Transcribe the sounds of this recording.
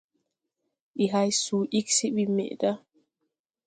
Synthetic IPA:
ʔiɦajsuːʔiksiɓimɛ̰ʔda

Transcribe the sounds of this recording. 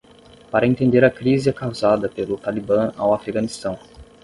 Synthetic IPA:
paɾɐẽnt̪ẽnd̪eɾɐkɾizɪɛkawzad̪ɐpelʊt̪alibɐ̃a̰wafɾiɡɐ̃nist̪ɐ̃w̃

